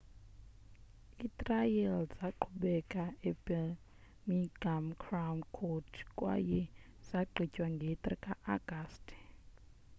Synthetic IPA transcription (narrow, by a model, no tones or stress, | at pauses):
itʼrajɛlzaǃʰuɓɛkʼaebɛ | miɡ̥amkʰramkʰotʰkʼwa̰jɛz̥aɡ͡ǃʱicʼwaŋɡʱet̪ʼrḭkʼaʔaɡ̥astʰʼ